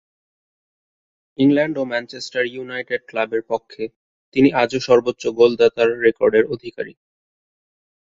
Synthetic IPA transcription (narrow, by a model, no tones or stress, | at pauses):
iŋlɛɳɖomɛnt͡ɕesʈaɾjunajʈeɖ̚klabeɾpɔkʰːe | t̪iniʔad͡ʑoʃɔɾbotːɕoɡold̪at̪aɾːekɔɾɖeɾod̪ʱikaɾḭ